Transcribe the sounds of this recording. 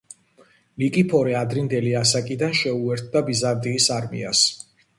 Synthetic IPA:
likʼipʰɔɾɛad̪ɾind̪ɛliasakʼid̪anʃɛuɛɾt̪̚ʰd̪abizaɾd̪ʼiːsaɾmḭa̰s

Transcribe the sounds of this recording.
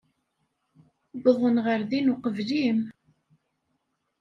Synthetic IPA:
bəðˤənʁəɾðinuqəvlim

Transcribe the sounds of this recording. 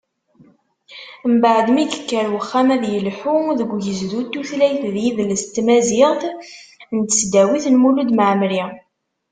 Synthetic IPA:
mbaʕd̪mikə̥kːəɾwəχːæmæðjəlħuðəɡʷːjəzðut̪ːuθlæjθðjiðləst̪mæziʁθ | nt̪ə̥sd̪æwiθnmulud̪məʕmɾi

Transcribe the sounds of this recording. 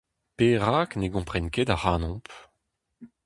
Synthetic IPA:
peːʁaːkneɡɔ̃pχɛnked̪aʁaːnɔ̃p

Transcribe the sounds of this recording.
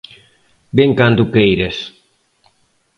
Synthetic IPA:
beŋkand̪ukejɾes

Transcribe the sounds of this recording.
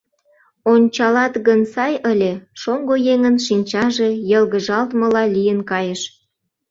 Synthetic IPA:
onʲt͡ɕɑlɑt̪ɣənsɑjəlʲeʃoŋɡojeŋənʃinʲt͡ɕɑʒe̽jəlɣəʒɑlt̪məlɑlʲijənkɑjəʃ

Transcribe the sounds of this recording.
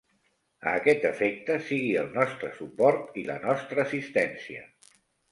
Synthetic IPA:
ə̰ːkɛt̪əfek̚t̪əsiɣiəlˠnɔst̪ɾəsupɔɾt̪ilə̰nɔst̪ɾəːsist̪ɛnsiə

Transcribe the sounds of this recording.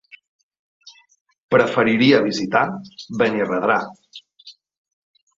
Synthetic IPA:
pɾəfəɾiɾiəβ̞izit̪aβənirəðɾa

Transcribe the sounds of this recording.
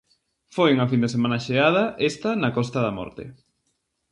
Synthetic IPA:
fojeŋɐfind̪esemãnɐʃeað̞ɐʔest̪ɐnɐkɔst̪ɐðɐmɔ̰ɾt̪ḛ

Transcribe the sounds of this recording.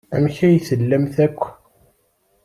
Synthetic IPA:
æmçæjθəlːəmθækʷː

